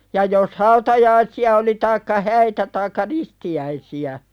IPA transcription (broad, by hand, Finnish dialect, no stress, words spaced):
jɑ jos hɑutɑjɑisiɑ oli tɑikːɑ hæitæ tɑikːɑ ristiæisiæ